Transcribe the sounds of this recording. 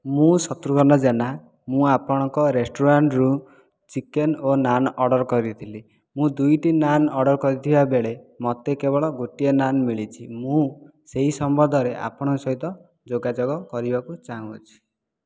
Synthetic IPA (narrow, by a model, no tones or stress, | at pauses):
mũsɔt̪ɾukɔnɔd͡ʒena | mũapɔɽ̃ɔŋkɔɾesʈoɾaɳʈɾu | t͡ʃikenonanɔɖɔɾkɔɾit̪ʰili | mũd̪ujʈinanɔɖɔɾkɔɾit̪ʰibabeɭemɔt̪ekebɔɭɔɡoʈijɔnanmiɭit͡ʃʰimũ | seɦisɔmbʱɔd̪ʱɔɾeʔa̰pɔɽ̃ɔsɔɦit̪ɔ | d͡ʒoɡad͡ʒɔɡɔkɔɾibakut͡ʃaũot͡ʃʰi̥